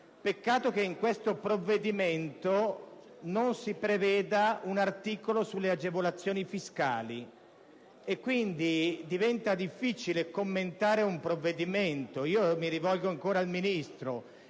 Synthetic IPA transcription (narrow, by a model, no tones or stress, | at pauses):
pekːaːt̪okeiŋkwest̪opɾovːed̪iment̪o | nonsipɾevɛːd̪aunart̪iːkolosulːead͡ʒevolat̪sːjoːnifiska̰ːlḭ | ekːwind̪id̪ivɛnt̪ad̪ifːit͡ʃilekomːent̪aːɾeumpɾovːed̪iment̪oiːomiɾivɔlɡoaŋkoːɾaːlminist̪ɾo